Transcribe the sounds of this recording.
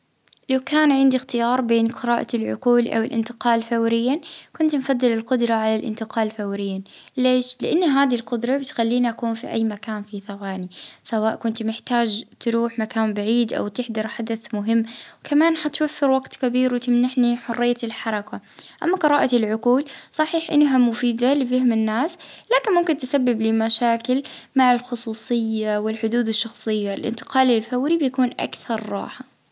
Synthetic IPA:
lawkaːnʕɪnd̪ixt̪ɪjɑːɾˤbeːnqɨɾɑːʔa̰lʕʊ̰quːlʔa̰wɪlʔɪ̰nt̪ɪ̥qɑːlfawɾɪjːakʊnt̪mfad̪ːɪlɪlqʊd̪ɾˤɑʕalalʔɪ̰nt̪ɪqɑːlfawɾɪjːaleːʃlɪʔanːaɦaːd̪ilqʊd̪ɾˤɑbɪt̪xalːiːniʔakuːnfiʔa̰jːmakaːnfiθawaːnisawaːʔkʊnt̪mɪħt̪aːd͡ʒt̪ɾuːħmakaːmbaʕiːd̪ʔa̰wt̪ɪħd̪ɑɾˤħad̪aθmʊɦɪmːwkamaːnħat̪wafːɪɾwaɡt̪kabiːɾwɪt̪ɪmnaħniħʊrːɪjːat̪ɪlħɑɾˤɑkaʔa̰mːaqɨɾɑːʔat̪ɪlʕʊquːlsˤɑħiːħʔɪnːɦamʊfiːd̪alɪfahmɪnːaːslaːkɪnmʊmkɪnt̪ɪsabːɪblimaʃaːkɪl | maʕalxʊsˤuːsˤɨjːawɪlħʊd̪uːd̪ɪʃːɑxsˤɨjːaɪlʔɪ̰nt̪ɪ̥qɑːlɪlfawɾibjakuːnʔa̰kθɑɾˤːɑ̰ːħa

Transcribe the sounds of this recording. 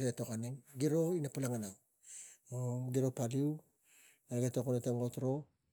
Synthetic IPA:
ɾetokaneŋɡiɾoinapalaŋanaw | oɡiɾopaliw | eɡetokonetaŋɡotɾo

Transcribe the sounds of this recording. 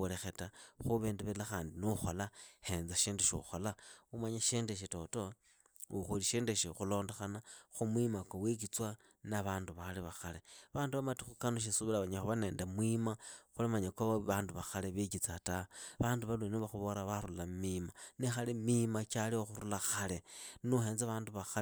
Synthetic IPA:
ole̞xetaxuβeːndeβelaxaːndinuxolahe̞nzaʃeːndeʃḭxolaumaɲaʃeːndeʃ̬ito̞to̞ | uxuliʃeːndeʃixulo̞ːndexanaxumwimakowik̬it͡swa | naβaːnduβaliβaxaleβaːnduβamatixukanoʃ̬isuβilaβaɲaxuβane̞ːndamwimaxulimaɲakoβaβaːnduβaxaleβikit͡sataβaːnduβaluinuβaxuβoɾaβaɾulammimanixalimimat͡ʃalioxuɾulaxalenuheːnzaβaːnduβaxa

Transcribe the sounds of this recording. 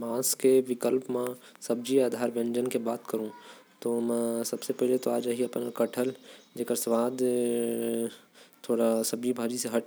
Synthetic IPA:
mãːskeʋɪkəlpmã | sɐbd͡ʒiaːd̪ʱaːɾbẽɲd͡ʒənkebaːt̪kəɾũt̪omɛ̃sɐbsepɛɦlet̪oaːd͡ʒaɦiɐpnakɐʈʰəld͡ʒeːkəɾsʋaːd̪ | t̪ʰoːɽasɐbd͡ʒibʱaːd͡ʒiseɦɐʈ

